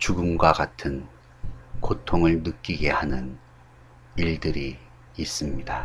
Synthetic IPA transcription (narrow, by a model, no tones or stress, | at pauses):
t͡ɕuɡɯmɡwaɡatʰɯn | kotʰoŋɯɭnɯk͈iɡe̞hanɯn | iɭdɯɾiː | s͈ɯmɲida